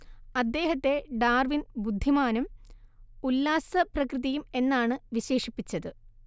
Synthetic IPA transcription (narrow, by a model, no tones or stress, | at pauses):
ɐd̪ːe̞ːɦɐt̪ːe̞ɖaːrʋinbud̪ʱːimaːnum | ulːaːsɐprɐkrɨðɐjume̞nːaːɳɨʋiɕe̞ːʂipːit͡ɕːɐðɨ